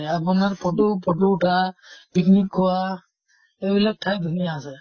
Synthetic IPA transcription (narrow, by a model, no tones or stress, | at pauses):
apʊnaɹpʰɔʈupɔʈuʈʰapiknikʰːɔwa | ebilak̚tʰajd̪ʱunijaːsɛ